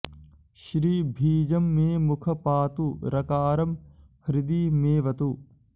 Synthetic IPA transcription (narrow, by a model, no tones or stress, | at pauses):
ʃɾiːbʱiːd͡ʒɐmːẽːmukʰɐpaːt̪uɾɐkaːɾɐm | hɾɪd̪iːmeːʋɐt̪uː